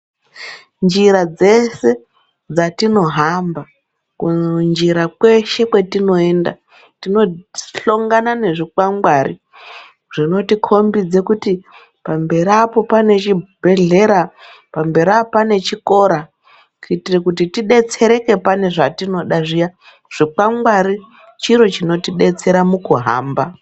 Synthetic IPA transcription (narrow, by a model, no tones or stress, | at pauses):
nd͡ʒiɾad͡ze̞se̞ | d͡zatino̞ɦamba | kund͡ʒiɾakwe̞ʃe̞kwe̞tino̞e̞nda̰ | tino̞ɬo̞ŋɡanane̞ʐikwaŋɡwarḭ | ʐ̥ino̞tikʰo̞mbid͡ze̞kuti | pambe̞ɾiapo̞pane̞t͡ʃibʱe̞ɮe̞ɾa | pambe̞ɾiapane̞t͡ʃiko̞ɾa | kitirekutitiɗe̞t͡se̞ɾe̞ke̞pane̞ʐatino̞ɗaʐija | ʐ̥ik͡paŋɡwaɾi | t͡ʃiɾo̞t͡ʃino̞tiɗe̞t͡se̞ɾamukuɦa̰ːmba